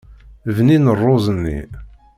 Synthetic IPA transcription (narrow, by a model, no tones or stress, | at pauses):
vninərˤːozˤənːḭ